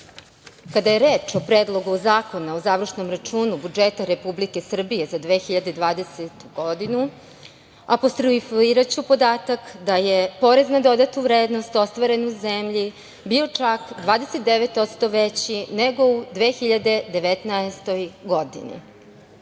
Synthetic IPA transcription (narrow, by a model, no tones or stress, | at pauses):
kad̪aje̞ɾeːt͡ʃo̞pɾeːd̪lˠo̞ɡuzaːko̞naozaʋr̩ʃno̞mɾat͡ʃuːnubud͡ʒet̪aɾe̞publike̞sr̩bije̞zad̪ʋeːxiʎad̪ed̪ʋaːd̪e̞set̪u̥ɡod̪inu | apost̪ɾuifiːɾat͡ɕupo̞d̪aːt̪akd̪aje̞po̞ɾeznad̪o̞d̪at̪uvɾeːd̪no̞st̪o̞st̪ʋaɾe̞nuzemʎi | biot͡ʂakd̪ʋaːd̪eset̪̚d̪eʋet̪o̞t̪st̪o̞ʋet͡ɕineɡo̞ud̪ʋeːxiʎad̪e̞d̪e̞ʋet̪naest̪o̞jɡo̞d̪ḭnḭ